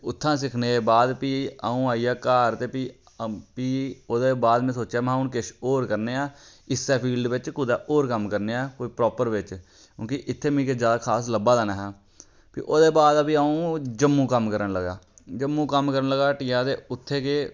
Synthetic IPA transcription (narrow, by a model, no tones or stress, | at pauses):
ʊt̪ʰːãːs̬ɪkʰneːbaːd̪piːaːũːaːiːɛːkaːɾt̪eːpiː | piːoːd̪eːbaːd̪mẽːsoːt͡ʃɛːmãːʊːnkɪʃoːɾkəɾneːaːɪsːɛːpʰiːlɖʋɪt͡ʃkʊd̪aːʔoːɾkəmkəɾneːɛːkoːiːpɾɔːpəɾʋɪt͡ʃ | kũːkiʔɪt̪ʰːeːmĩːked͡ʒjaːd̪aːkʰaːsləbaːd̪aːnaːɦɛː | pḭːʔoːd̪eːbaːd̪əpiːaːũːd͡ʒəmːũːkəmkəɾənləɡa̰ːd͡ʒəmːũːkəmkəɾənləɡaːʈiːaːt̪eːʊt̪ʰːeːkeː